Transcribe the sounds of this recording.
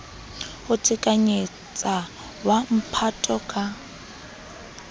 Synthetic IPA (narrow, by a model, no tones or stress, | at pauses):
hʊtʰɪkʼaɲe | t͡sʼa | wam̩pʰatʼɔkʼa